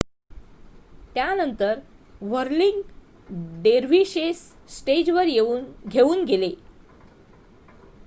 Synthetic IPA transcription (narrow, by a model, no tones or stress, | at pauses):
t̪janənt̪əɾʋəɾliŋɡ | ɖeɾʋiɕesː | ʈed͡ʑʋəɾɡʱeuːnɡʱele